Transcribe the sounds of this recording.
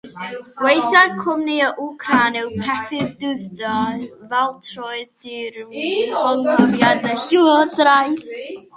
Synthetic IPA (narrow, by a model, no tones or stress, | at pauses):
ɡ̥wejθarkʰʊmniəʔukʰranɛwpʰrɛfɪðdɨðdɔvɛlˠtʰrɔɨðdɪɾɔŋɔvjadəɬurdrajθ